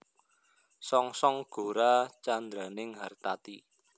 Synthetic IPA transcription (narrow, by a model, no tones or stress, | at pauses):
sɔŋsɔŋɡ̥o̤ɾat͡ʃand̪ɾanɪŋɦart̪at̪i